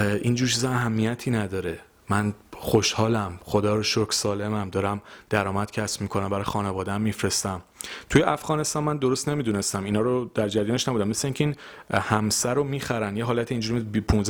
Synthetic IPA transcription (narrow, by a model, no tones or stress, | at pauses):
ʔind͡ʒuːɾt͡ʃʰizeæɦæmːijæt̪ʰiːnæd̪ɒːɾe | mænχoʃhɒːlæmχo̞d̪ɒːɾoʃokʰsɒːle̞mæmd̪ɒːɾæmd̪̥æɾɒːmæd̪̥cʰæsbmiːkʰonæmbæɾɒːjxɒːnevɒːd̪eæmːifɾe̞st̪æm | t̪ʰujeʔæfɣɒːne̞st̪ɒnmænd̪oɾost̪ne̞miːd̪uːne̞st̪æminɒːɾod̪̥æɾd͡ʒæɾijɒːneʃnæbud̪æmːesleiːŋcʰein | hæmsæɾomiːxæɾænjeɦɒːlæt̪ʰiind͡ʒuɾimbipʰũnz